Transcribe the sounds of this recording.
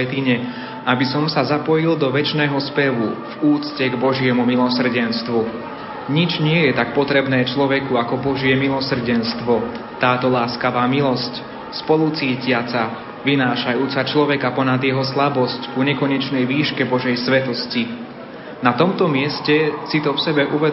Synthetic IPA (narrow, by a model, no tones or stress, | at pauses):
ɛt̪iɲɛ | ʔabisɔmsazapɔjild̪ɔʋɛt͡ʃnɛːɦɔspɛʋuvuːt͡scɛɡbɔʒɪɛmumilɔsr̩ɟɛnst̪ʋu | ɲid͡ʒɲɪɛjɛt̪ak̚pɔt̪ɾɛbnɛːt͡ʃlɔʋɛkuakɔbɔʒɪɛmilɔsr̩ɟɛnst̪ʋɔ | t̪aːt̪ɔlaːskaʋaːmilɔsc | spɔlut͡siːcɪat͡sa | ʋinaːʃajuːt͡sat͡ʃlɔʋɛkapɔnad̪jɛɦɔslabɔsckuɲɛkɔɲɛt͡ʃnɛjʋiːʃkɛbɔʒɛjsʋɛt̪ɔsci | nat̪ɔmt̪ɔmɪɛscɛsit̪ɔfsɛbɛʔuʋɛ